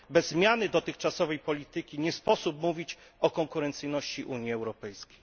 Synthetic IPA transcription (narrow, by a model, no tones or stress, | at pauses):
bɛzːmʲjanɘd̪ɔt̪ɘxt͡ʂasɔvɛjpɔlʲit̪ɘkʲiɲɛspɔsup̚muvʲit͡ɕɔkɔŋkuɾɛnt̪sɘjnɔɕt͡ɕiʔuɲjiɛwɾɔpɛjskʲej